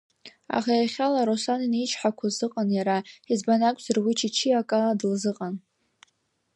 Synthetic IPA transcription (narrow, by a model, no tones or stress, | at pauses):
a̰χajaχʲalaɾosaninit͡ʃʰħakʷʰazɨqʼanjaɾaizbanakʷʼzɨrwit͡ʃʰit͡ʃʰiakʼaladɨlzɨqʼan